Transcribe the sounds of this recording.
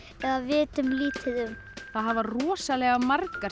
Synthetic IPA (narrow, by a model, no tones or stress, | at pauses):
ɛɣðavɪːt̪ʏmliːt̪ʰɪðʏm | θaðɦavarɔːsalɛɣamarka